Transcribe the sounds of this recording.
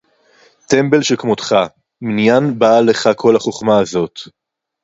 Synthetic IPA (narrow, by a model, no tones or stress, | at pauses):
t̪e̞mbe̞lʃekmotχa | minjanbale̞χakʰo̞laχo̞χmaːzo̞t